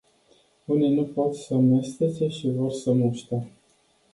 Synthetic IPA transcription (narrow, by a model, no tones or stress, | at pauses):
unenupot̪səmest̪et̪seʃivo̞rsəmuʃt̪e